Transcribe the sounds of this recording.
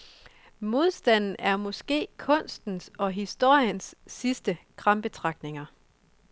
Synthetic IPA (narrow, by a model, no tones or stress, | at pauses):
mo̝ð̞ˠsd̥æn̰n̩æɐmɒ̽sɡ̥e̝̰ːkʰɔ̽n̰sd̥n̩sɒ̽ɦisd̥o̝ɐ̰jənsːisd̥əkʰʁɑ̈mb̥e̝t͡sʰʁɑ̈ɡ̥̚dne̝ŋɐ